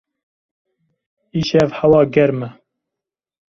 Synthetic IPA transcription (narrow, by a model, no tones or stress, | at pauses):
iːʃɛvhawɑːɡɛɾmɛ